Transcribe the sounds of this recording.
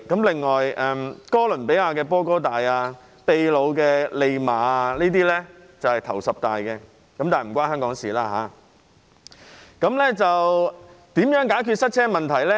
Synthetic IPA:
kɐ˨˥mlɪ˨ŋːɔː˨jɛː˨˩mkɔː˥lɵ˨˩npe˨˥jaː˧kɛː˧pɔː˥k̬ɔː˥t̪aː˨jaː˧ | pe˧jlo˨˧wkɛː˧le˧jmaː˨a˧niː˥t̪iː˥lɛ˥ | t͡sɐ˨whɐ˨jt̪ʰɐ˨˩wsɐ˨p̚t̪aː˨jkɛ˧ | kɐ˨˥mt̪aː˨˩jm̩˨˩kʷaː˥nhœː˥ŋkɔː˨˥ŋsiː˨laː˥ɦa̰ː˨˧˥ | kɐ˨˥mlɛ˥t͡sɐ˨wt̪iː˨˥mjœː˨˥ŋkaː˨˥jkʰyː˧t̚sɐ˥t̚t͡sʰɛː˥mɐ˨nt̪ʰɐ˨˩jlɛ˥

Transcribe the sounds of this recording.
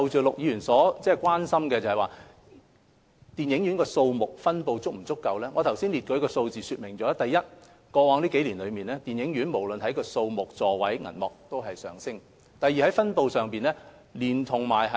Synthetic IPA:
ɐ˨˧wt͡ʃyː˨lʊ˨k̚jiː˧jyː˨˩nsɔː˨˥t͡sɛː˥˩kʷwaː˥nsɐ˥mkɛː˧t͡sɐ˨˩hɐ˨jwaː˨˩ | t̪iː˨˩njɪ˨˥ŋjyː˨˥nkɔː˧so˧wmʊ˨k̚fɐ˥npo˧wt͡sʊ˥k̚m̩˨˩t͡sʊ˥kːɐ˧wlɛː˥ŋɔː˨˧t̪ʰɐ˨˩wsiː˥nli˨t̚kɵ˨˧˥jkɔː˧so˧wt͡siː˨syː˧t̚mɪ˨˩ŋt͡sɔː˨˥t̪ɐ˨jːɐ˥t̚ | kɔː˧wɔː˧ŋliː˥ke˨˧˥jliː˨˩nlɵ˨˧ɥmiː˨nlɛː˥t̪iː˨njɪ˨˥ŋɥy˨˥nmo˨˩wlɵ˨nhɐ˨˥jkɔː˧so˧wmʊ˨k̚t͡sɔː˨wɐ˨˥jŋɐ̰˨˩nmɔ̰ː˨k̚t̪o˥wɦɐ˨jsœ̰ː˨ŋsɪ˥ŋ | t̪ɐ˨˩jːi˨˧hɐ˨˥jfɐ˥npo˧wsœː˨ŋpiː˨nlɛː˥ | liː˨˩nt̪ʰʊ˨˩ŋmaː˨jɦɐ˨

